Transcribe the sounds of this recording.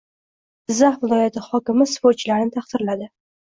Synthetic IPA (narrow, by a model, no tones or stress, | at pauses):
ɪzːaχvɪlˠɒjat̪ʰɪhɒkʲɪmɪspoɾt͡ʃʰlaɾnɪt̪ʰaχt̪ɪɾlad̪ɪ